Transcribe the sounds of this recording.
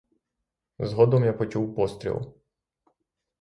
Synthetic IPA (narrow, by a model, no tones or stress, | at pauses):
zɦɔd̪ɔmjapɔt͡ʃuwpɔst̪ʲɾʲḭlˠ